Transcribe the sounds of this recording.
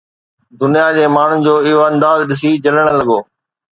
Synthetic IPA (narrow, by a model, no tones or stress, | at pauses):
d̪ʊnijad͡ʑeːmaːɳ̤ʊnd͡ʑoːɪɦoɐ̃nd̪aːzɗɪs̬id͡ʑɐləɽ̃lɐɠoː